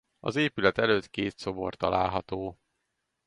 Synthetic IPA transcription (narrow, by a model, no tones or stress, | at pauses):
ɒ̰zeːpylɛt̪ɛløːt̪keːt̪so̞bo̞̰rt̪ɒlaːlɦɒt̪oː